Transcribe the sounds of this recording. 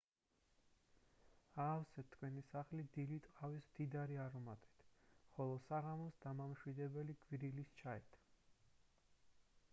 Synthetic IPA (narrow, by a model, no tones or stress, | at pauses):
aːfsɛt̪ʰːkʰwɛnisaχlid̪ilit̪ʼqʼavismd̪id̪aɾiaɾumat̪ʼi̥t̪ʰχɔlˠɔsaʁamɔsd̪amamʃwid̪ɛbɛliɡwiɾilist͡ʃʰaɛt̪ʰ